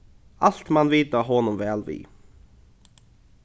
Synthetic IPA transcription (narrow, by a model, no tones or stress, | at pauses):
al̥t̪mɑnʋiːt̪aɦɔnʊmvɛːlʋḭː